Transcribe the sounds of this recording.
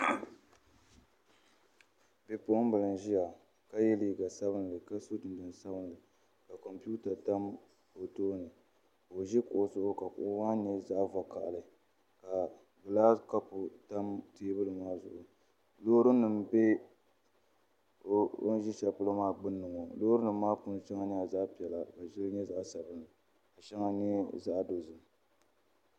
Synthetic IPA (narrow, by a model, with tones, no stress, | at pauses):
bɛ˨pʊ˦ʔʊ˦m˦bɨ˨lɨ˨n˨ʒi˦ja˨ | ka˦jɛ˦liː˦ɡa˨sa˦βɨ˦n˨lɨ˨ka˦so˦tɨ˨n˨dɨ˨n˨sa˦bɨ˦n˨lɨ˨ | ka˨kɔ˨mpu˦ta˨ta˦m | o˨toː˦nɨ˨ | o˨ʒɛ˦kʊ˨ʔʊ˨sʊ˦ʔʊ˦ka˨kʊ̰˨ʔʊ˦wa˦ɲɛ˦za˦ʔva˨ka̰˨ʔlɨ˨ | ka˨ | ɡɨ˨laː˦ska˦pʊ˨ta˦mteː˦bɨ˦lɨ˨maː˦zʊ̰˨ʔʊ˨ | loː˦ɾɨ˦nɨ˨m˦be˦ | o̰˦n˦ʒi˦ʃɛ˨pɨ˦lɨ˦maː˦˨ɡ͡bɨ˦nːɨ˨ŋo˨lo˦ɾɨ˦nɨ˨m̩ː˦aː˦pʊ˦n˦ʃɛ˦ŋa˦nɨ˦a˨za˦ʔpi˨ɛ˨la˨ka˨ʒɪ˦ɾɨ˦ɲɛ˦za˦ʔsa˨bɨ˦nɨ˨ | a˨ʃɛ˦ŋa˦ɲɛ˦za˦ʔdo˨zɨ˨m˨